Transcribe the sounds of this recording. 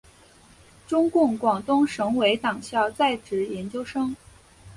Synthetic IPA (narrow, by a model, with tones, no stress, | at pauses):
ʈ͡ʂʊ˥ŋkʊ˥˩ŋkwɑ˨˩ŋt̪ʊ˥ŋʂɤ˧˥ŋwe˧˥ɪt̪ɑ˨˩ŋɕjɑ˥˧ʊt͡sa˥˩ɪʈ͡ʂɻ̩˧˥jɛ˧˥nt͡ɕjo˥ʊʂɤ˥ŋ